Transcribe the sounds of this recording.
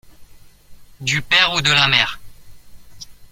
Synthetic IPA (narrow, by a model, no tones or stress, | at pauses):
d̪ypɛʁud̪əlamɛːʁ